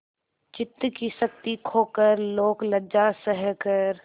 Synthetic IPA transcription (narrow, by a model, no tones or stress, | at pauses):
t͡ʃɪt̪ːkisək̚t̪ikʰoːkəɾloːkləd͡ʒasəɦɛkəɾ